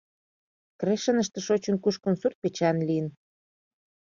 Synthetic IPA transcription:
kreʃə̆nəʃt̪ĕʃot͡ɕə̆nkuʃkonsurt̪̚pet͡ɕɑnliən

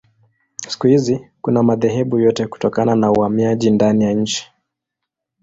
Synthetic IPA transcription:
si̥kuhizikunamaðɛɦɛɓujɔtɛku̥tɔkananauhamiaʄindanijaɲ̩t͡ʃi̥

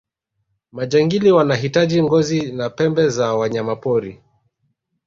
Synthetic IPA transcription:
maʄaŋɡiliwanaɦitaʄiŋɡɔzinapɛmbɛzawaɲamapɔɾi

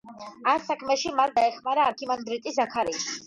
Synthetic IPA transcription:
asakʰmɛʃimald̪aɛχmaɾaːɾkʰimand̪ɾit̪ʼisakʰaɾi

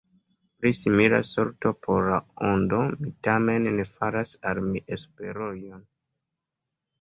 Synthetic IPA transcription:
plisimila̰soɾtopʰoɾlaondomitame̞nnefaɾasalmiʔespeɾojon

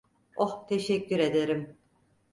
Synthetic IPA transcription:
oht̪ʰeʃɛcːyɾe̞d̪eɾim

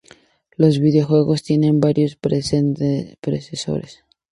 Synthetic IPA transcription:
lo̞zβiðeo̞xwe̞ɣo̞st̪je̞ne̞mbaɾjo̞spɾsnpɾeseso̞̰ɾes

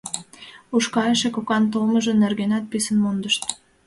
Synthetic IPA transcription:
uʃkɑeʃekokɑnt̪̬olmə̆ʒə̆nːerɣenɑt̪̚pisənmond̪əʃt̪̚

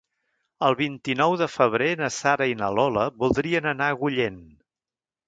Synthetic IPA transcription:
əlˠβint̪inɔwðəfəβ̞ɾenəsaɾəinəlɔləβulˠd̪ɾiənənaɣuʎen

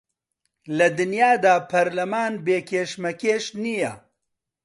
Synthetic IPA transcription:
lɐd̪ɨnjaːd̪aːpʰɐɾlɐmaːnbeːkʰeːʃmɐkʰeːʃniːjɐ

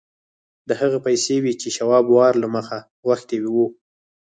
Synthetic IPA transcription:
d̪əhaɣapajsewit͡ʃeʃawɑbwɑɾlaməxa | waxt̪ewiwu

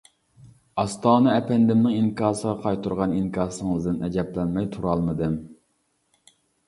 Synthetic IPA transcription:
ɑst̪ɑːnɨɛpʰɛnd̪ɪmnɪŋiŋkʰɑːsəʁɑqʰɑjt̪ʰuɾʁɑniŋkʰɑːsɨŋɨzd̪ɪnʔɛd͡ʒɛplɛnmɛjt̪ʰuɾɑlˠmɨd̪ɨm

